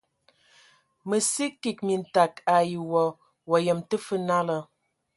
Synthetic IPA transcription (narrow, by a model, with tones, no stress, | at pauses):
mə˨si˦ki˨k̚mi˨n˨ta˨ka˨ji˨wɔ˨ | wɔ˨jə˨mtə˦fə˦na˦lə˨